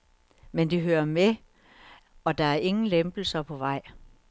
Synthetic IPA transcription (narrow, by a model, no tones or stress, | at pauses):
mend̥iɦøːɐme | ɒ̽d̥ɑ̈æɐʔe̝ŋn̩lemb̥l̩sɐpʰɒ̽ʋɑ̈ɪ̰